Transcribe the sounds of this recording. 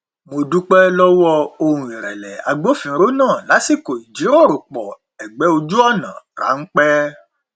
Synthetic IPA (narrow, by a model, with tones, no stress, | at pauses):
mo˧du˦k͡pɛ˦lɔ˦wɔ˦˧o˧ɾũ˧˨i˨ɾɛ˨lɛ˨a̰˧ɡ͡bo˦fĩ˨˦ɾo˦nãː˦˨la˨˦si˦˨ko˨i˨d͡ʒi˨˦ɾo˦˨ɾo˨k͡pɔ˨ | ɛ˨ɡ͡bɛ˨˦o˧d͡ʒu˦ɔ˦˨nã˨ɾa̰˨˦ŋ̩˦k͡pɛ˦